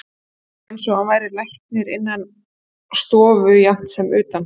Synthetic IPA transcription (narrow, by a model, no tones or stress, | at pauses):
ɛnsɔavaːjɾɪlajht̪̚nɪɾɪnːan | st̪ɔːvʏjawm̥t̪sɛmʏːt̪an